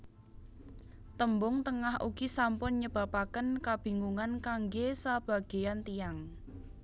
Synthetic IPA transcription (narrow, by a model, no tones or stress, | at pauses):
t̪əmbʊŋt̪əŋahʔṵɡ̥isampʊnɲəb̥a̤pakənkab̥i̤ŋuŋankaŋɡesab̥a̤ɡ̥e̤jant̪ijaŋ